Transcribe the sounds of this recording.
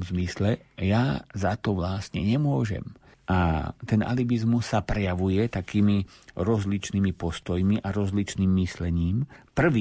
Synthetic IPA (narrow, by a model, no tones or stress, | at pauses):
mzmislɛjazat̪ɔʋlasɲɛɲɛmʊɔʒɛ̰m | ʔat̪ɛna̰libizmusːapɾɛjaʋujɛt̪akiːmiɾɔzlit͡ʃnimipɔst̪ɔjmiʔaɾɔzlit͡ʃniːmːislɛɲiːmpr̩ʋi